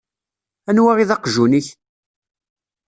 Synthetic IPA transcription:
ænwaʁiðɑqʒuniç

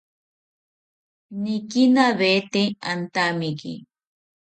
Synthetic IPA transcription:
nikinaβet̪eant̪amikḭ

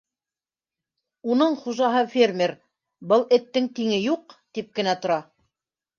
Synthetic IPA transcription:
unɤɴχuʒɑɦɤfʲermʲeɾ | bɤlˠɘ̆t̪ːɘŋt̪iŋɘjuqt̪ip̚kɘ̆næt̪ŏɾɑ

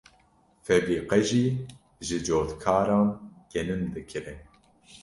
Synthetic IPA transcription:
fɛdiːqɛʒiː | ʒɨd͡ʒoːt̪kʰɑːɾɑːnɡ̥ɛnɨnd̪ɨkʰɨɾɨn

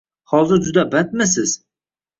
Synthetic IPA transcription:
hɒzɪɾd͡ʒʊd̪abat̪̚mɪs̬ɪz̥

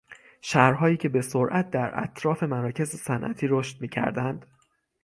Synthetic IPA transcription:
ʃæɾɦɒːjiːcʰe̞be̞soɾʔæt̪̚d̪æɾʔæ̰t̪ʰɾɒːfe̞mæɾɒːcʰe̞zesænʔæ̰t̪ʰiːɾoʃt̪̚miːcʰæ̰ɾd̪ænd̪̥

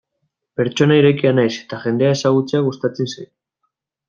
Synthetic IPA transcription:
pe̞ɾt͡ʃo̞naiɾe̞kianajse̞̥t̪axe̞nd̪e̞ae̞saɣ̞ut͡seaɣ̞ust̪at͡sensaj

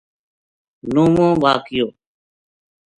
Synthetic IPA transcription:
noːmõːbaːkɪjoː

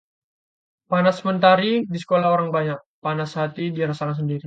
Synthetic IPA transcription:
panasəmənt̪aɾidisə̥kolahoɾaŋbaɲak̚panasɦat̪idiɾəsalas̬əndiɾi

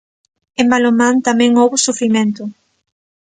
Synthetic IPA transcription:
ẽmbalomãnt̪amɛ̃ŋowβʊsufɾimẽnt̪ʊ

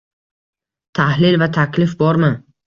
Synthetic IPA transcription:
t̪ʰahlɪlvat̪ʰakʰʲlɪfbɒɾmɪ

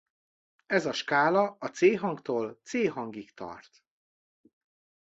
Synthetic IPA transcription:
ɛzɒʃkaːlɒɒt̪seːɦɒŋkt̪oːlt̪seːɦɒŋɡikt̪ɒ̰rt̪

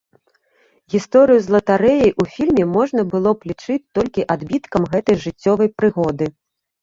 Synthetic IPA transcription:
ɣʲist̪ɔɾɨjuzlˠɐt̪aɾɛjiʔufʲilʲmʲɛmɔʐnɐbɨlˠɔplʲit͡ʂɨt͡sʲt̪ɔlʲkʲiʔad̪bʲit̪kɐmɣɛt̪ɐjʐɨt͡sʲːɔvɐjpɾɨɣɔd̪ɨ

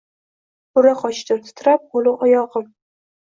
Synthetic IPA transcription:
ʊɾaqɒʃd̪at̪ʰʊ̥t̪ʰɾap̚olˠɪɒjɒʁɨm

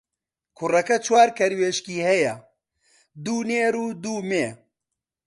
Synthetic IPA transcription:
kʰʊrɐkɐt͡ʃʰwaːɾkʰɐɾweːʃkiːhɐjɐ | d̪uːneːɾuːd̪uːmeː

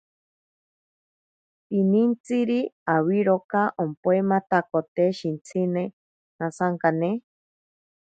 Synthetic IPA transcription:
pinint͡siɾiawiɾokaʔompoemat̪akot̪eʃint͡sʰine | nasaŋkane

